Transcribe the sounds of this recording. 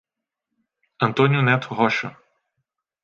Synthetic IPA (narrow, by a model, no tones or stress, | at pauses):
ɐnt̪ɔnʲunɛt̪ɦɔʃɔ